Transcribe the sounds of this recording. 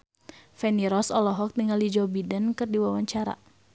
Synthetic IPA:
fɛniɾɔsɔlɔɦɔk̚niŋalid͡ʒɔbidənkɨrdiwawaɲt͡ʃaɾa̰

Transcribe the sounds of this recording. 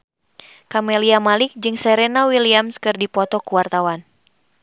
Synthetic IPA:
kamɛliamalik̚d͡ʒɨŋsɛɾɛnawiliamskɨrdipɔt̪ɔkuwart̪awan

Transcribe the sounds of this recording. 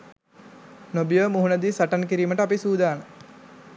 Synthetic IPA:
nobijəmuɦunəd̪isaʈankiɾiːməʈəapisuːd̪aːnə

